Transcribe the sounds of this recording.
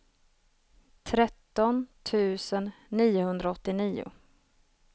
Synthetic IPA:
t̪ʰɾɛt̪ːɔnt̪ʰʉ̟ːsənːiːʊhɵnd̪ɾaɔt̪ːɪniːʊ̰

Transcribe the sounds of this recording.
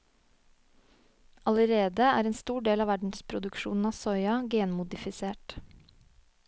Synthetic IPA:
ʔɑləɾeːd̪əæ̰ːɾeːnst̪uːɖeːlɑːʋæɖɳ̩spʰɾʊd̪ʉkʃṵːnn̩ɑːsɔʏɑɡeːnmʊd̪ɪfɪseːʈ

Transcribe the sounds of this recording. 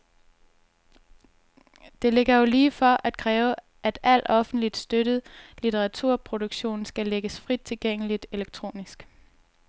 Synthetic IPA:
d̥e̝le̝ɡ̥ɐjo̝liːfɒʔæd̥̚kʰʁɛːʊ | ʔæd̥æl̰d̥ɒ̽fn̩d̥lid̥sd̥øɾ̥ð̩ˠlit͡sʰeʁɑ̈t͡sʰuɐ̰pʰʁo̝d̥uɡ̥ɕo̝̰ːnsɡ̥æleɡ̥əsfʁid̥̚t͡sʰe̝lɡ̥eŋ̰əlid̥e̝leɡ̥̚t͡sʰʁo̝̰ːnisɡ̥

